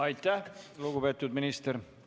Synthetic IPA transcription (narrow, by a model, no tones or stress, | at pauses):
ɑjt̪ːˑæhluɡube̞ːt̪ːˑud̪minist̪eɾ